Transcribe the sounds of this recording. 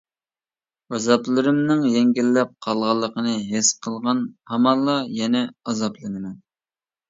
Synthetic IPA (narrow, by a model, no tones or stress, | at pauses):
ɑzɑplˠɨɾɨmnɨŋjɛŋɡʲilːɛp̚qʰɑlˠʁɑlˠːəqʰənɨɦesqʰəlˠʁɑnhɑmɑnlˠːɑjɛnɛɑzɑplˠɨnɨmɛn